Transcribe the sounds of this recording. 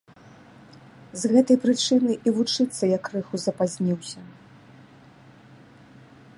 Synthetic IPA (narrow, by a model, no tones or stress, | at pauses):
zɣɛt̪ɐjpɾɨt͡ʂɨnɨʔivut͡ʂɨt̪sːɐjɐkrɨxuzɐpazʲnʲiwsʲɐ